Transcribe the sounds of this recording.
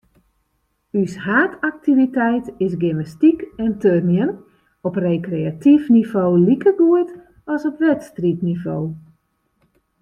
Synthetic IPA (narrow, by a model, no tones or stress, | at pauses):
yshaːtʰak̚tʰivitɛjtɪs̬ɡinastikɛntørnjən | ɔprejkrejatʰifnivoːlikəɡuət | ɔsɔpʋɛtstritnivoː